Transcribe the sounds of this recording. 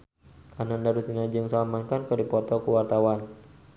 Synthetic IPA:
ʔanandaɾusinad͡ʒɨŋsalamankankɨrdipɔt̪ɔkuwart̪awan

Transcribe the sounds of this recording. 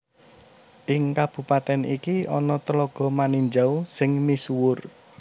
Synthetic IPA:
ʔɪŋkab̥ṳpat̪ɛnikiɔnɔt̪əlɔɡ̥ɔ̤maniɲd͡ʒawsɪŋmisuwʊr

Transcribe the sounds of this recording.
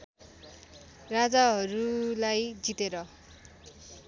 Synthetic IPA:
rad͡zaɦʌɾulajd͡zit̪eɾʌ

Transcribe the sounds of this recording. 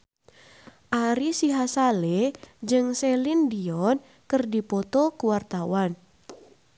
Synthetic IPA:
ʔaɾisiɦasaled͡ʒɨŋsɛlindiɔn | kɨrdipɔt̪ɔkuwart̪awan

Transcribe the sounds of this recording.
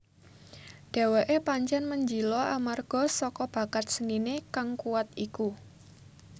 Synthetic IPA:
d̥a̤weʔepaɲt͡ʃɛnməɲd͡ʒilɔamarɡ̥ɔ̤sɔkɔb̥a̤kat̪̚səninekaŋkuwat̪̚iku

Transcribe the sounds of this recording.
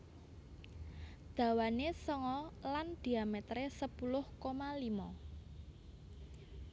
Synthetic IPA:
d̪̥ä̤wanesəŋɔland̪̥i̤amet̪ɾesəpulʊhkomalimɔ

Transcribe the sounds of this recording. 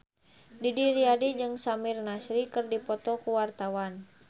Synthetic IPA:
didiɾiadid͡ʒɨŋsamirnasɾikɨrdipɔt̪ɔkuwart̪awan

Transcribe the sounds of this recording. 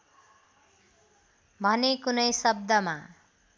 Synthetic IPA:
bʱʌnekunʌjsʌb̚d̪ʌma

